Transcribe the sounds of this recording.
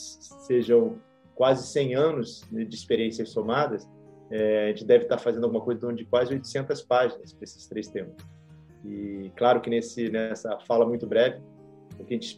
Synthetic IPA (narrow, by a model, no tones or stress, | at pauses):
eʒɐ̃w̃ | kwazɪsẽj̃ɐ̃nʊzɛd͡ʒɪːspeɾiẽsiɐsːomad̪ɐs | ɛaʒẽnt͡ʃɪd̪ɛvɪt̪aɾfazẽnd̪ʊaɡũmɐkojzɐd̪õnʊd͡ʒɪkwazɪojt̪ʊ̥sẽnt̪ɐspaʒinɐspɾɐesɪ̥st̪ɾejst̪ẽmpʊ̥s | ɪklaɾʊkɪnesɪnɛsɐfalɐmũj̃t̪ʊbɾɛvɪ | ʊkɪɐʒẽt͡ʃɪs